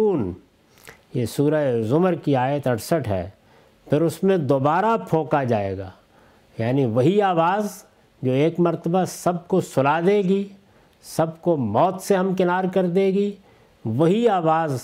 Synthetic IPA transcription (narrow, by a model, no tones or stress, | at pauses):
uːn | jeːsuːɾəzʊməɾkiaːjət̪ɐʈsəʈɦɛ̰ː | pʰɪɾʊsmẽd̪oːbaːɾapʰõːkad͡ʒaːḛːɡa̰ː | jaːniʋɐɦiaːʋaːz | d͡ʒoːeːkmɐɾt̪əbasɐb̚kosʊlaːd̪eːɡi | sɐbkomɔːt̪seɦɐmkɪnaːɾkɐɾd̪eːɡi | ʋɐɦiaːʋaːz